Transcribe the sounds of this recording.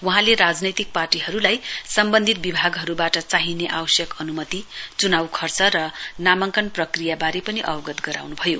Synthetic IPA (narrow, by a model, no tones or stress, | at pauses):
wuɦãleɾad͡znʌjt̪ik̚parʈiɦʌɾulajsʌmbʌnd̪ʱit̪̚bibʱaɡɦʌɾubaʈʌt͡saɦineʔawʌsjʌkʌnumʌt̪it͡sunawkʰʌrt͡sʌɾʌnamʌŋkʌnprʌkrijabaɾepʌniʔʌ̰bʌɡʌt̪ɡʌɾa̰wnubʱʌjo